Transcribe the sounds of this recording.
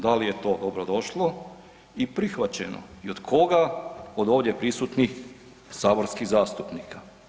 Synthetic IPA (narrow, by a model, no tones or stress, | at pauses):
d̪alijet̪o̞ːd̪obɾod̪o̞ʃlo | ipɾixʋat͡ɕeno̰iod̪̥kʰo̞ɡaod̪o̞ːʋd̪je̞pɾisut̪nix | saːboɾskiɣzaːst̪upniːka